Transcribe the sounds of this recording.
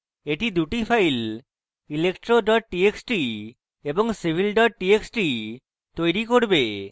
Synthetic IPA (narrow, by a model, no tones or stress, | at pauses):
eʈid̪uʈifʰajl | ilekʈɾoɖɔʈ̚ʈieksʈi | eboŋsibʱilɖɔʈ̚ʈieksʈi | t̪ojɾikoɾbe